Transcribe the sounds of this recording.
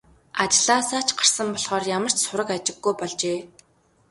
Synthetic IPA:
at͡ɕɮaːsaːt͡ɕɢar̥sə̆mpɔɮχɔːrjamə̆r̥t͡ɕsʊɾə̆kat͡ɕɪ̆ɡːujpɔɮt͡ɕeː

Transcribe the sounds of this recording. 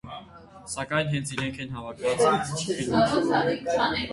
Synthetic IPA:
sɑkɑjnɦɛnt͡sʰiɾɛŋkʰɛnɦɑvɑkʰvɑt͡sʰɛɾɔɑɛkt͡sʰɑnɛ

